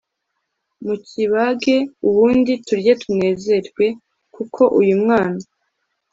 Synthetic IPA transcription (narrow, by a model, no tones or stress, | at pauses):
muciβaɡe̞uβuːndituɾje̞tʰune̞ːze̞ɾwe̞ | kukʰo̞ʔujumŋaːna